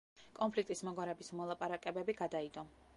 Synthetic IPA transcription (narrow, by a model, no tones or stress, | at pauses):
kʼɔnpʰlik̚t̪ʼismɔɡwaɾɛbismɔlˠapʼaɾakʼɛbɛbiɡad̪aid̪ɔ